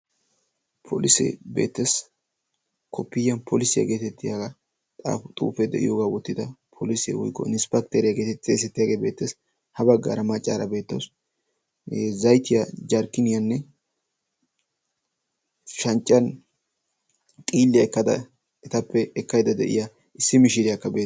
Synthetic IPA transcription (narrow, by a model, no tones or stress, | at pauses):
pʰo̰lɪsḛbe̞̰ːt̪ːeːs | kʰɔpːɪjːɐnpʰolɪsɪjɐ̰ɡeːt̪ɛt̪ːɪjaɡa | t̪ʼa̰ːfʊt̪ʼṵːfɛd̪ɛ̰ʔɪ̰joːɡaːwɔt̪ːɪd̪ɐpʰolɪsḛwɔ̰jkːɔ̰ɪnɪspɛkt̪ɛɾɪjɐɡeːt̪ɛt̪ːesɛt̪ːɪjaːɡeːbe̞ːt̪ːeːs | hɐbɐɡːa̰ːɾɐmɐt͡ʃʼːaːɾɐbe̞ːt̪ːɐws | zɐjt̪ɪjɐd͡ʒɐɾkːɪnɪjɐnːɛ | ʃɐnt͡ʃʼːɐn | kʼiːlːɪjɐɛkːɐd̪ɐ̰ | ɛt̪ɐpʰːɛɛkːɐjd̪ɐd̪ɛ̰ʔɪ̰ja | ʔɪsːɪmɪʃɪd̪ɪjɐkːɐbeː